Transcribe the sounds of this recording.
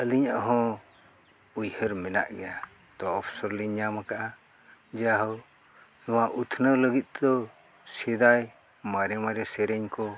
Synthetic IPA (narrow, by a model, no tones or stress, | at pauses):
əliɲaʔɦɔ̃ | ujhəɾmɛna̰ʔɡɛjat̪ɔaɔpʰsɔɾliɲamakaʔa | d͡ʒɛjaɦaw | nɔwaʔut̪ʰnələɡit̪̚d̪ɔ | sɛd̪aj | maɾɛmaɾɛsɛɾɛɲkɔ